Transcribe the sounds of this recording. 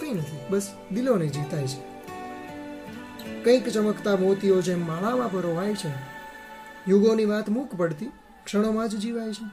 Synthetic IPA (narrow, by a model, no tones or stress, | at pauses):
kəinət̪ʰibəs | d̪ilonəĩd͡ʒit̪ajt͡ʃʰe̥ | kə̃ĩkt͡ʃəməkt̪amot̪iod͡ʒemːaɭaʋãpəɾoʋajt͡ʃʰe | juɡoniʋat̪mũkpəɽt̪i | kʂəɽ̃omãd͡ʒd͡ʒiʋajt͡ʃʰe